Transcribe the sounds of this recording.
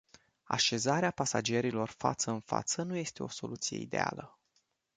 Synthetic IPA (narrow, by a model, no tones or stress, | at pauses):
a̰ʃe̞zaɾeapasa̰d͡ʒe̞ɾilo̞rfa̰t̪səɨnfa̰t̪sənuje̞st̪e̞o̞so̞̰lut̪sijeḭd̪e̞a̰lə